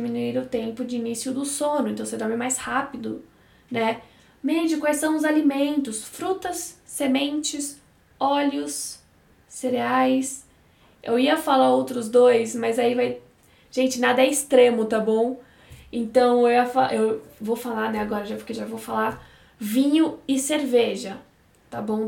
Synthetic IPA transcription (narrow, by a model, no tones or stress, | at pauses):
d͡ʒmĩnuiɾʊt̪ẽmpʊd͡ʒɪinisjʊd̪ʊsõnʊẽnt̪ɐ̃w̃sed̪ɔɾmɪmajshapid̪ʊ | nɛ | mɛd͡ʒʊkwajsɐ̃w̃ʊzalimẽnt̪ʊsfɾut̪ɐsːemẽnt͡ʃɪs | ɔlʊsː | eɾeajs | ḛwiɐfalaɾowt̪ɾʊzd̪ojsmɐzaivaj | ʒ̥ẽnt͡ʃɪnad̪ɐɛɪst̪ɾẽmʊt̪abõw̃ | ẽnt̪ɐ̃w̃ewɐfaʔewvowfalanɛaɡɔɾɐʒakewʒavowfala | vĩɲʊɪseɾveʒɐ | t̪abõw̃